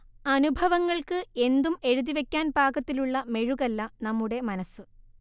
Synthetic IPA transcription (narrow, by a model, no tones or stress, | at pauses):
ɐnubʱɐʋɐŋːɐɭkɨe̞nd̪ume̞ɻuðiʋe̞kʲːaːnbʱaːkɐt̪ːiluɭːɐme̞ɻuɣɐlːɐnɐmːuɽe̞mɐnɐsːɨ